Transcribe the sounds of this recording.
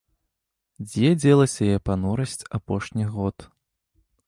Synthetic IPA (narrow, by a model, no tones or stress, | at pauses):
d͡zʲɛd͡zʲɛlˠɐsʲɐjɛpanɔɾɐsʲt͡sʲapɔʂnʲiɣɔt̪